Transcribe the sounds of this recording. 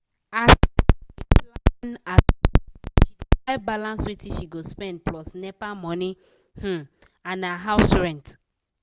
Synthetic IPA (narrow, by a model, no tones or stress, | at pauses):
asilna | ʃidaɪbalãnswitĩʃiɡospɛ̃nd̚plɔsnɛpamɔ̃ni | h̩ | ãnaɦaʊsɹɛ̃nt